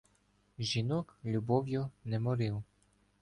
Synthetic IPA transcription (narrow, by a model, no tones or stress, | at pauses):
ʒʲinɔklʲubɔwjʊnɛmɔɾɪw